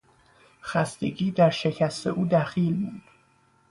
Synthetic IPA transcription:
xæst̪e̞̰ɟiːd̪æɾʃe̞cʰæst̪ʰe̞̰ʔuːd̪æxiːlmund̪̥

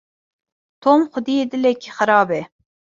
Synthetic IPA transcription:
t̪ʰomxʊd̪ijed̪ɨlɛkʲʰixəɾɑːbɛ

